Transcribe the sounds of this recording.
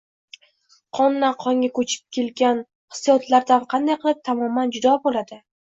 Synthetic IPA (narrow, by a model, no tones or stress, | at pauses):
qʰɒnːaqʰɒŋʲakʰɵt͡ʃʰɪ̥p̚kʲʰe̞lɡʲan | hɨ̥sijɒt̪ʰlaɾd̪anqʰɑnd̪ajqʰɨlˠɪp̚t̪ʰamɒmːand͡ʒʊd̪ɒbolad̪ɪ